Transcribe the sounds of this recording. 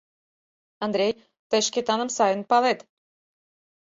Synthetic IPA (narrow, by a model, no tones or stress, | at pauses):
ɑnd̪ɾʲej | t̪ə̆ʃkʲet̪ɑnə̆msɑjə̆npɑlet̪